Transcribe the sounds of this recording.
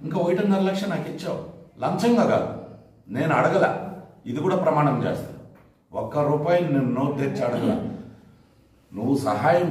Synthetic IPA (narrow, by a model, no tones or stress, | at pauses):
iŋkaːojʈɐnɡɐːɾlɐkʂɐnaːkit͡ʃːawlɐnt͡ʃɐŋɡaːka̰ːd̪u | ne̞ːnuɐɽɐɡɐla̰ːid̪ikuːɽaːpɾɐmaːɳɐmt͡ʃḛːst̪aː | ɔkːɐɾuːpaːjninenːoːd̪eɾt͡ʃɐɽɐɡɐla̰ː | nuʋːusɐɦaːjɐm